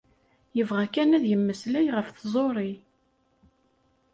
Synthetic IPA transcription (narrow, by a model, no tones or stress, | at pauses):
jəvʁækænæðjəmːəslæjʁəfθzˤoɾˤi